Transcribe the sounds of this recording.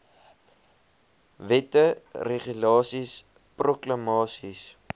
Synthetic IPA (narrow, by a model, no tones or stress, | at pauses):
vɛtəreχylɑːsis | prokləmɑːsis